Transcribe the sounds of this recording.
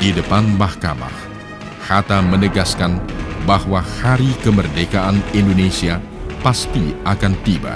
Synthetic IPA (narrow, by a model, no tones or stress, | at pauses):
didəpanmahka̰ma̰h | hat̪amənəɡaskanbahwahaɾikəmərdekaʔanindonesia | past̪iakant̪iba̰